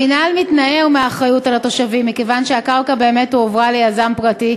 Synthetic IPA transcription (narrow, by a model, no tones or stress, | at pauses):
inalmitnaeumeaːχʁajutalato̞ʃavimːikevanʃeakalkabe̞ːme̞tuovʁalejazampʁati